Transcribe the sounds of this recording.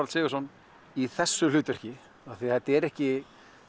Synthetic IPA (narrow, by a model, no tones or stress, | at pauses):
ɾalsɪːɣʏsɔn | iθɛsːʏlʏːt̪ʏr̥cɪ | aθiθɛt̪ːɛɾɛhcɪ